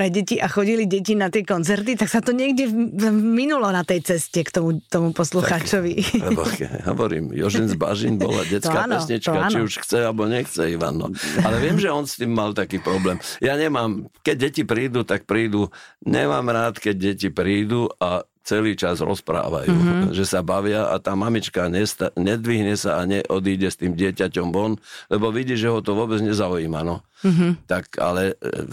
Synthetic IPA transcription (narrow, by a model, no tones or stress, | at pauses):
pɾɛɟɛciʔaxɔɟiliɟɛcinat̪ɪɛkɔnt͡sɛɾt̪it̪aksat̪ɔɲɪɛɡɟɛminulɔnat̪ɛjt͡sɛscɛkt̪ɔmut̪ɔmupɔsluxaːt͡ʃɔʋilɛɦɔ̰ʋɔɾḭːmjɔʒinzba̰ʒinbɔ̰la̰ɟɛt͡skaːpnɛsɲit͡ʃkaat͡ʃ̪iuʃxt͡sɛalbɔɲɛxt͡sɛiʋa̰nːɔ̰alɛʋɪɛmʒɛɔnst̪iːmːalt̪akiːpɾɔblɛːmjaɲɛmaːmkɛɟ̚ɟɛcipɾiːd̪ut̪ak̚pɾiːd̪uɲɛ̰maːmɾaːt̪kɛɟ̚ɟɛcipɾiːd̪ua | t͡sɛliːt͡ʃazɾɔ̰spɾa̰ːʋa̰jṵːʒɛsabaʋɪaa̰t̪aːmamit͡ʃkaɲɛst̪aɲɛd̪ʋiɦɲɛsaaɲɛʔɔd̪iːɟɛst̪iːmɟɪɛcacɔmbɔnlɛbɔʋiɟiːʒɛɦɔt̪ɔʋʊɔbɛd͡zɲɛzaujiːmanɔt̪aka̰lɛ